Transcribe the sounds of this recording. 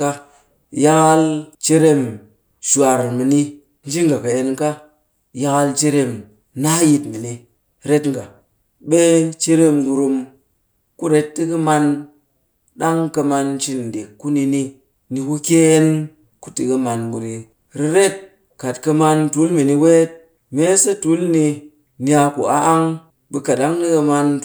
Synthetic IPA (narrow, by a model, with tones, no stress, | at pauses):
ka˦ | ja˦ka˦lt͡ʃe˦ɾe˦m | ʃu˨a˨ɾmi˨ni˦ | n˦d͡ʒi˦ŋɡa˨ka˨je˨nka˦ | ja˧ka˦lt͡ʃe˦ɾe˦m | na˦ji˧tmi˨ni˦ | ɾe˦tŋ˨ɡa˨ | ɓe˦t͡ʃe˦ɾe˦mɡu˧ɾu˧m | ku˦ɾe˦ttːi˦kə˦ma˧n | ɗa˦ŋkɐ˧ma˧nt͡ʃi˧n˨de˨kːu˦ni˧ni˧ | ni˧ku˦ke˦n | ku˦ti˧kə˧ma˧nbu˧˨ɾi˧ | ɾi˧ɾe˦t̚ | ka˨tkɐ˧ma˧ntu˨˦lmi˨ni˧we˦t̚ | me˦sə˦tu˨˦lni˧ | ni˦a˧kṵ˨a˦ʔŋ | ɓe˧ka˨ɗa˦ŋɗi˦kə˧ma˧n